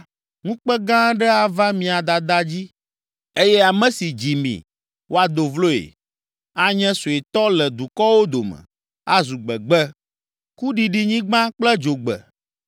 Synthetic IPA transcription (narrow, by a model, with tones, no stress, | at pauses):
ŋũ˦k͡pɛ˦ɡã˦ɖɛ˦a˨va˦mĩ˨a˨d̪a˨d̪a˦d͡ʑi˦ | e˦jɛ˦a˨mɛ̃˦si˨d͡ʑi˨mḭ̃˨ | wo˦a˨d̪o˨vlo˦ḛ˨ | a˦ɲɛ̃˦so˨e˨t̪ɔ˦lɛ˨d̪u˨kɔ˦wo˦d̪o˨mɛ̰̃˨ | a˦zu˨ɡ͡bɛ˨ɡ͡bɛ˦ | ku˦ɖi˨ɖi˨ɲĩ˦ɡ͡bã˦k͡plɛ˦d͡ʒo˨ɡ͡bɛ̰˨